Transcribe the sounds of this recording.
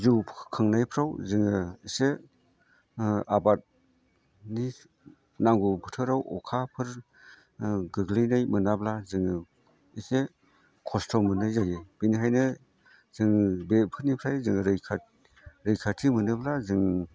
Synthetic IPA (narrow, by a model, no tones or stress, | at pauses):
zuwpʰkʰɯŋnajpʰɾawzɯŋɯise | abat̚ | ni | naŋɡupʰɯtʰɯɾawɔ̰kʰapʰɯɾ | ɡɯɡlinajmɯnablazɯŋɯ | ise | kʰɔstʰɔmɯnɯjzajeb̥iniɦajnɯ | z̥ɯŋbepʰɯɾnipʰɾajzɯŋɯɾɯjkʰa | ɾɯjkʰatʰimɯnɯblazɯŋ